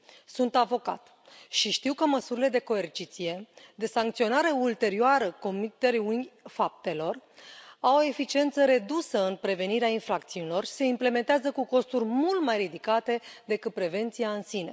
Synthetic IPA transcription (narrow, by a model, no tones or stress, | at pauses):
sunt̪avo̞ka̰t̪ | ʃiʃt̪iwkəməsuɾile̞d̪e̞ko̞e̞rt͡ʃit̪sije̞d̪e̞saŋkt̪sio̞naɾe̞ult̪e̞ɾioaɾəko̞mit̪ːe̞ɾiunfap̚t̪e̞lo̞rawo̞e̞fit͡ʃie̞nt̪səɾe̞d̪usəɨnpɾe̞ve̞niɾeainfɾakt̪siunʲilo̞rse̞imple̞me̞nt̪eazəkuko̞st̪urʲmult̪majrid̪ikat̪e̞d̪e̞kɨt̪̚pɾe̞ve̞nt̪siaɨnsine̞̰